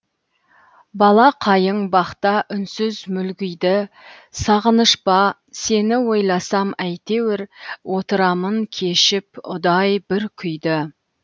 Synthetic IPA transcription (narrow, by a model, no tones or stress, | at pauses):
bɑlˠɑqʰɑjəɴbɑqt̪ɑʔʏnsʏzmʏlɡʲʏjd̪ɪ | sɑʁənəʃpɑ | se̞nɪwo̞jlˠɑsɑmæjt̪e̞wɪɾwʔo̞t̪əɾɑməŋkʲʰe̞ʃɪpʊ̰d̪ɑjbɪɾkʲʰʏjd̪ɪ